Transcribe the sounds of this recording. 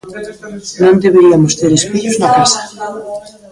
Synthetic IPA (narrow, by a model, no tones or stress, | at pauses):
nõnd̪eβeɾiamost̪eɾespiʎoznakasḁ